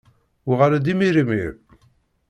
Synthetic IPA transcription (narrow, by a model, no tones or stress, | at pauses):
ʁaɾad̪imiɾimḭɾ